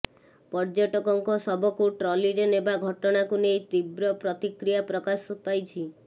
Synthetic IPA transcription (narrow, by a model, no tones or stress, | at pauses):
pɔɾd͡ʒɔʈɔkɔŋkɔsɔbɔkuʈɾɔliɾenebaɡʱɔʈɔɽ̃akunejt̪ibɾɔpɾɔt̪ikɾijapɾɔkaspajt͡ʃʰi